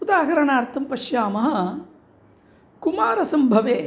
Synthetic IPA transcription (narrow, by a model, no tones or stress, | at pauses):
ud̪aːɦɐɾɐɳaːɾt̪ʰɐmpɐʃjaːmɐɦɐ̆ | kumaːɾɐsɐmbʱɐʋeː